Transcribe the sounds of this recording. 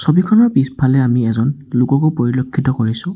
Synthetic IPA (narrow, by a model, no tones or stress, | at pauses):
sobikʰɔnɔɹpispʰalɛamiɛzɔnlʊkɔkopoɹilokʰːitɔkoɹisʊ̃